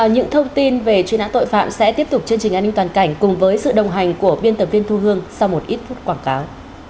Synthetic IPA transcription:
a˨˩ɲɨ̰˧˥ŋt̪ʰə˧wŋ͡mt̪i˧nve˨˩t͡ɕwi˨˦naː˧˥t̪o̰˧˨jfa̰ː˧˨msɛ̰˧˥t̪i˦˥əp̚t̪k͡p̚t͡ɕɨ˧ənt͡ɕi˨˩ŋ̟ʔaː˧ni˧ŋt̪waː˨˩nka˧˩jŋ̟kʊ˨˩ŋ͡mvəː˨˦jsɨ̰˧˨ɗə˨˩wŋ͡mɦa˨˩jŋ̟ku˧˩əɓi˧ənt̪ə˨˩vi˧ənt̪ʰu˧ɦɨ˧əŋsa˧wmo˨˩t̚ʔi˦˥t̚fu˦˥t̚kwaː˧˩nkaː˨˦w

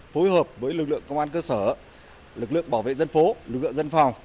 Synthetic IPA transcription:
fo˨˦jɦəː˨˩p̚vəː˨˦jlɨ˨˩k̚lɨ̰˧˨əŋkə˧wŋ͡mʔaː˧nkəː˧səː˧˩ | lɨ˨˩k̚lɨ̰˧˨əŋɓaː˧˩wvḛ˧˨zə˧nfo˨˦lɨ˨˩k̚lɨ̰˧˨ə˨˧zə˧nfa˨˩wŋ͡m

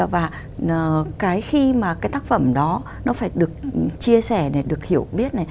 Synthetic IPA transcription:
vaː˨˩˨ | kaː˨˦jxi˧maː˨˩kaː˨˦jt̪aː˦˥k̚fə˧˩mɗɔ˨˦ | nɔ˨˦faː˧˩jɗɨ˨˩ək̚t͡ɕi˧əsɛ˧˩ne˧˩ɗɨ˨˩ək̚hi˧˩əwɓi˦˥ət̚na˨˩j

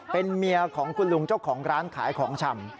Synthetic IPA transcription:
pe˧nmi˧ɐkʰɔː˩˦ŋkʰu˧nlu˧ŋt͡ɕa˥˩wkʰɔː˩˦ŋɾaː˦˥nkʰaː˩˦jkʰɔː˩˦ŋt͡ɕʰa˧m

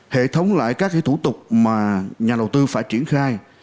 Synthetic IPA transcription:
hḛ˧˨t̪ʰə˨˦wŋ͡mla̰ː˧˨jkaː˦˥k̚ki˧˦t̪ʰu˧˩t̪ʊ˨˩k͡p̚maː˨˩ɲaː˨˩ɗə˨˩wt̪ɨ˧faː˧˩jt͡ɕi˧˩ənxaː˧j

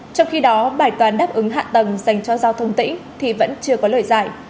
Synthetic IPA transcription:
t͡ɕɔ˧wŋ͡mxi˧ɗɔ˨˦ɓaː˧˩jt̪waː˨˦nɗaː˦˥p̚ʔɨ˨˦ŋɦa̰ː˧˨t̪ə˨˩ŋza˨˩jŋ̟t͡ɕɔ˧zaː˧wt̪ʰə˧wŋ͡mt̪ḭ˧˥ŋ̟t̪ʰi˨˩və̰˧˥nt͡ɕɨ˧əkɔ˨˦ləː˧˩jzaː˧˩j

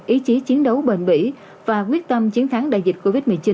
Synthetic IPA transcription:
ʔi˨˦t͡ɕi˨˦t͡ɕi˨˦ənɗə˨˦wɓḛ˧˨nɓḭ˧˥ | vaː˨˩kwi˦˥ət̚t̪ə˧mt͡ɕi˨˦ənt̪ʰa˨˦ŋɗa̰ː˧˨jzi˨˩t̚ko˧vi˦˥t̚mɨ˨˩t͡ɕi˨˦

